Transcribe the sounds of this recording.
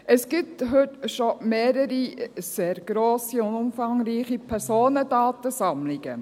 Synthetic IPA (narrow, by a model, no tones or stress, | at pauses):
ʔɛsɡ̥ɪtɦʏtʃomeːɾəɾiseːɾɡ̥ɾoːsiʊnʊmfɑŋɾiːχipʰɛɾsoːnədɑːtəsɑmlɪɡ̥ə